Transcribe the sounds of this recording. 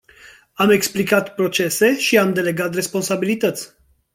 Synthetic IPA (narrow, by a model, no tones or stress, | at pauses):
ame̞ksplikat̪pɾo̞t͡ʃe̞se̞ʃiamd̪e̞le̞ɡat̪re̞spo̞nsabilit̪ət̪sʲ